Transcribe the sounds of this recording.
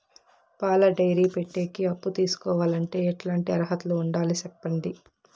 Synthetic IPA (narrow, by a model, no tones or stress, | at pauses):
paːlɐɖɐjɾiːpeʈːeːkiɐpːut̪iːsu̥kɔːʋaːlɐɳʈe̞ːɛʈlaːɳʈiɐɾɐɦɐt̪uluːɳɖaːlisɛpːɐɳɖi